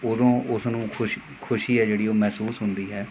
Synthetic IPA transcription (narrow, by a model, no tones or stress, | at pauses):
od̪õːʔʊsnũːkʰʊʃ | kʰʊʃiːɦɛːd͡ʒeːɽiːoːmɛːsuːsɦʊnd̪iːɦɛː